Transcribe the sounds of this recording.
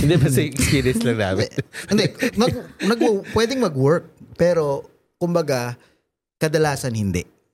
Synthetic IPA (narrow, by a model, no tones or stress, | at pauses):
ɪ̃nd̪ɛbɐsɐjʊŋʔɛkspiːɾiɛ̃nslɐŋna̰ːmɪɪnd̪ɛmɐɡ̚nɐɡwpwɛːd̪ɪŋmɐɡwɛɹk̚pɛːɾo | kʊmbɐɡa | kɐd̪ɐlaːsɐnhɪnd̪ɛ̰ʔ